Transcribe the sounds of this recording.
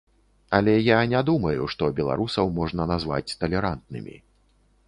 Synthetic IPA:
ɐlʲɛjanʲɛd̪umɐjuʂt̪ɔbʲɛlˠa̰ɾusɐwmɔʐnɐnazva̰t͡sʲt̪ɐlʲɛɾant̪̚nɨ̰mʲḭ

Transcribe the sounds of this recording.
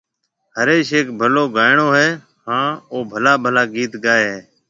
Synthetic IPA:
ɦəɾeːʃeːkbʱəloːɡaːɪɳoːɦɛː | ɦãːoːbʱəlaːbʱəlaːɡiːt̪ɡaːeːɦeː

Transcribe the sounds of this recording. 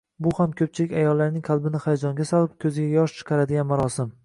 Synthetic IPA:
bʊhamkʲʰɵp̚t͡ʃʰɪlɪkʲajɒlːaɾnɪŋqʰɑlˠbɪnɪχajad͡ʒɒŋɡʲasɒlˠɪp̚kʲʰɵzɪɡʲajɒʃt͡ʃʰɨ̥qʰɑɾad̪ɪɡʲanmaɾɒsɪm

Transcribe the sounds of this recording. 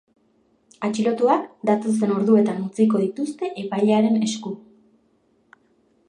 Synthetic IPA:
at͡ʃilo̞t̪uakd̪at͡s̪os̬e̞no̞ɾðue̞t̪anut͡siko̞ðit̪ust̪e̞ʔepajʎeaɾe̞ne̞sku

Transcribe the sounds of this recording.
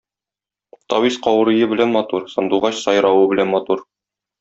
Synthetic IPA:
t̪ɒwisqɒwɤ̆ɾɤ̆jɤbɘ̆lænmɒt̪uɾsɤnd̪uʁɑɕsɒjɾɑwɤbɘ̆lænmɒt̪uɾ

